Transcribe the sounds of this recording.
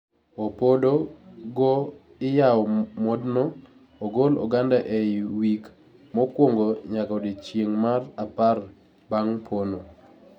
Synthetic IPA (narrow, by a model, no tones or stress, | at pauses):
opodoɡɔ | ɪjaɔmɔdnɔ | oɡolɔ̰ɡandaʔewik | mɔkwoŋɡoɲakɔdit͡ʃjeŋmarapar | baŋpʰono